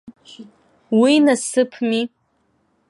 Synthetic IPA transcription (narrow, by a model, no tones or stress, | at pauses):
winasɨpʰmi